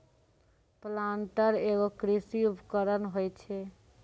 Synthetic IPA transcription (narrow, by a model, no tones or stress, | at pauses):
planʈəɾeɡokɾisiupkəɾənɦojt͡ʃʰɛ